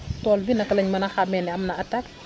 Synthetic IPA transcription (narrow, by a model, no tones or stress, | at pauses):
tɔːlbinɐkːɐlɐɲmɐnɐxamɛnɛɐmnɐɐtak